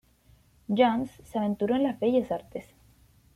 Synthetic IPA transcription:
d͡ʒansːeaβẽ̞nt̪uɾo̞enlazbeʝe̞saɾt̪es

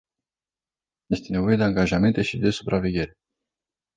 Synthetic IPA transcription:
je̞st̪e̞ne̞vo̞jed̪e̞aŋɡaʒame̞nt̪e̞ʃid̪e̞supɾʔave̞ɡʲe̞ɾe̞

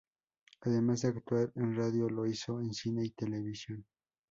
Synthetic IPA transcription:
aðe̞mazðeakt̪waɾenraðjolo̞iso̞ensine̞it̪e̞le̞βisjo̞n

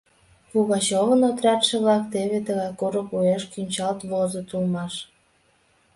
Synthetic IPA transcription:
βuɣɑt͡ɕoβənot̪rʲɑt̪ʃĕβlɑkt̪eβet̪əɣɑjkuɾəkueʃkynʲt͡ɕɑlt̪βozot̪ulmɑʃ

